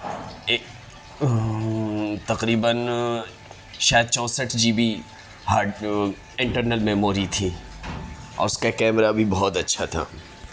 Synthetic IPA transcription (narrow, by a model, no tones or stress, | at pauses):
t̪ɐqɾiːbən | ʃaːjəd̪̚t͡ʃɔ̃ːsəʈʰd͡ʒiːbi | ɦa | ɪ̃ɳʈəɾnəlmɛ̃ːmoːɾit̪ʰiː | ɔ̰ːɾʊskakɛːmɾabʱibɔɔt̪ɐtːʃʰat̪ʰa̰ː